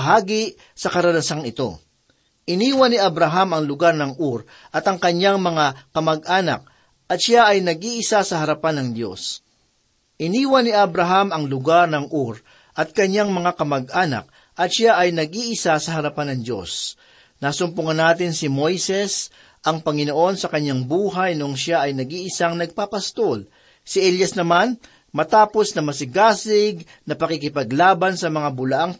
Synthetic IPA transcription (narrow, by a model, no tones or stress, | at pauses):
ɦaːɡi | sɐkɐɾɐnɐsaŋɪt̪o̞̰ | ʔɪniːwɐnːɪʔɐbɾɐɦamɐŋlʊɡaɾnɐŋʔuɾ | ʔɐt̪ɐŋkɐɲːaŋmɐŋakɐmɐɡ̚ʔaːnɐ̰k̚ | ʔɐt̪̚ʃaʔɐjnɐɡiʔɪsasɐhɐɾɐpanɐŋd̪jo̞̰s | ʔɪniːwɐnːɪʔɐbɾɐɦamɐŋlʊɡaɾnɐŋʔuɾ | ʔɐt̪̚kɐɲːaŋmɐŋakɐmɐɡ̚ʔaːnɐ̰k̚ | ʔɐt̪ʃaʔɐjnɐɡ̚ʔiʔɪsasɐɦɐɾɐpanɐŋd͡ʒo̞̰s | naːsʊmpʊŋɐnːaːt̪ɪnsɪmo̞jsɛs | ʔɐŋpɐŋɪno̞ʔo̞nsɐkɐɲːaŋbuːɦajnoŋʃaʔɐjnɐɡiːʔɪsaŋnɐɡ̚papɐst̪ol | sɪʔɛljɐsnɐman | mɐt̪aːpo̞snɐmɐsɪɡaːsɪɡ̚ | nɐpɐkikɪpɐɡlaːbɐnsɐmɐŋabʊlɐʔaŋ